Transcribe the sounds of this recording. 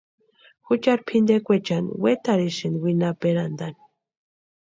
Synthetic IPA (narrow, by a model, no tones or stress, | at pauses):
xut͡ʃaɾpʰind̪ekʷet͡ʃanwet̪aɾiʃinwinapeɾand̪an